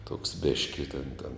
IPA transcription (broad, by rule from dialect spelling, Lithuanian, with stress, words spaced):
tuɔks ˈbʲeːʃʲkʲɪ tʲɛn tʲɛn